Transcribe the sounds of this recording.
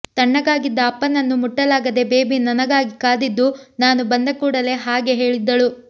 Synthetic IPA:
t̪ɐɳːɐɡaːɡid̪ːɐːpːɐnɐnːumuʈːɐlaːɡɐd̪e̞beːbinɐnɐɡaːɡikaːd̪id̪ːunaːnubɐnd̪ɐkuːɽɐle̞ɦaːɡeɦe̞ːɭid̪ːɐɭu

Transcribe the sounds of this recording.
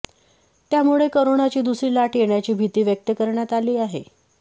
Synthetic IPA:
t̪jamuɭekoɾoɳat͡ɕiːd̪usɾiːlaʈjeɳjat͡ɕiːbʱit̪iːʋjək̚t̪əkəɾɳjat̪aliːaɦḛ

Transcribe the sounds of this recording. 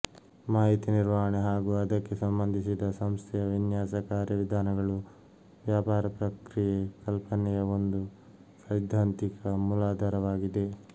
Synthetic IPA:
maːɦit̪iniɾʋaːɦɐɳeɦaːɡuːɐd̪ɐkːe̞sɐmbɐnd̪ʱisid̪ɐsɐmst̪ʰɛjɐʋinjaːsɐkaːɾjɐʋid̪ʱaːnɐɡɐɭu | ʋjaːpaːɾɐpɾɐkɾijekɐlpɐnɛjɐo̞nd̪u | sɐjd̪ʱːaːnt̪ikɐmulaːd̪ʱɐɾɐʋaːɡid̪e̞

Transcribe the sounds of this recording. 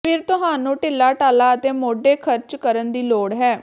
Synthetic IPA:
pʰɪɾt̪ʊɦaːnũːʈɪlːaːʈaːlaːət̪eːmoːɖeːkʰəɾt͡ʃkəɾənd̪iːloːɽɦɛː

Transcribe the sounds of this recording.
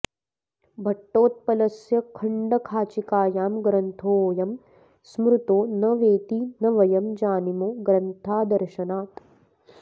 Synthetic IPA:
bʱɐʈːoːt̪̚pɐlɐsjɐkʰɐɳɖɐkʰaːt͡ʃikaːjaːmɡɾɐnt̪ʰoːjɐm | smɾut̪oːnɐʋeːt̪inɐʋɐjɐmd͡ʒaːnimoːɡɾɐnt̪ʰaːd̪ɐɾʃɐnaːt̪

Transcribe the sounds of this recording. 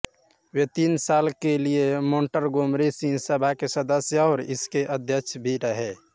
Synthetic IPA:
wet̪iːnsaːlkeliemoːɳʈəɾɡomɾesĩsəbʱakesəd̪əsjəɔːɾɪskeʔəd̪ʱjət͡ʃʰbʱiɾəɦe

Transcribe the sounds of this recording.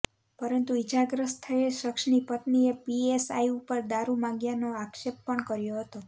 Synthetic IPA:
pəɾənt̪uid͡ʒaɡɾəst̪ʰːəeʃəkʃnipət̪niepiesa̰iupəɾd̪aɾumãŋɡjanoakʃepːəɳkəɾjoɦət̪o

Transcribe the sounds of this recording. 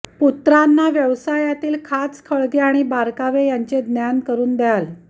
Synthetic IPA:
put̪ɾanːaʋjəʋsajat̪iːlkʰat͡skʰəɭɡeaɽ̃ibaɾkaʋejaɲt͡sed̪njankəɾuːnd̪jal

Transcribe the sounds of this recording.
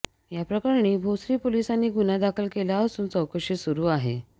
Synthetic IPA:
japɾəkaɾɳiːbʱosɾiːpolisanːiːɡʱunad̪akʰəlkelaəsuːnt͡səwkəʂiːsuɾuːaɦḛ

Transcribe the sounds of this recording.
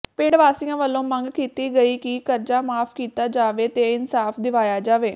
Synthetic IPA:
peːɽʋaːsijãːʋəlːõːməŋɡkiːt̪iːɡəiːkɪkəɾd͡ʒaːmaːpʰkiːt̪aːd͡ʒaːʋeːt̪eːɪnsaːfʰd̪ɪʋaːjaːd͡ʒaːʋeː

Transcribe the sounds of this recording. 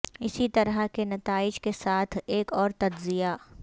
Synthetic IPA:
ɪsit̪ɐɾakenɐt̪aːɪd͡ʒkesaːt̪ʰeːkɔːɾt̪ɐd͡ʒzija

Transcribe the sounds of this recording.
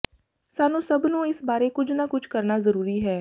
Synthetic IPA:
saːnõsɐbnõɪsbaːɾekʊt͡ʃʰnakʊt͡ʃʰkɐɾnazɐɾuːɾiɦɛː

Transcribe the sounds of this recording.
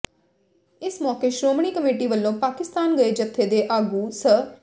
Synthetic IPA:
ɪsmɔːkeːʃɾoːmɳ̃iːkəmeːʈiːʋəlːõːpaːkɪst̪aːnɡəeːd͡ʒət̪ʰːeːd̪eːʔaːɡuːsə

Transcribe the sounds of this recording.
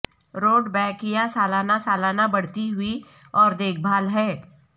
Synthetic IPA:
ɾoːɖbɛːkjasaːlaːnasaːlaːnabɐɽ̤t̪iɦʊi | ɔːɾd̪eːk̚ʰbʱaːlɦɛː

